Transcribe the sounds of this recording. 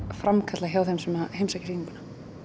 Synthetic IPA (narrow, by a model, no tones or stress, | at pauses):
fɾamkʰat̪laçjawðhɛmsɛmahejmsacɪiiŋkunḁ